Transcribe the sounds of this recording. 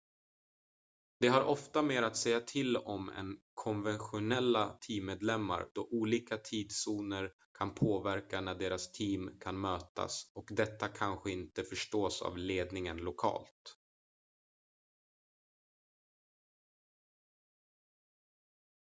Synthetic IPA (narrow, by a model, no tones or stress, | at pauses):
d̪̥ɛɦaɾʔɔft̪ameːɾat̪sɛjːat̪ʰɪlɔmɛ̰nkʰɔnvɛnɧʊnɛlːat̪ʰiːmːeːd̪lɛmːa̰ɾd̪ɔʔuːliːkat̪ʰiːd̪suːnəɾ | kʰanpʰoːvæɾkanæɖeːɾast̪ʰiːmkʰanmøːt̪a̰sɔkd̪ɛt̪ːakʰanɧəɪnt̪əfœʂʈoːsa̰vleːd̪nɪŋənlʊkʰɑ̰ːlt̪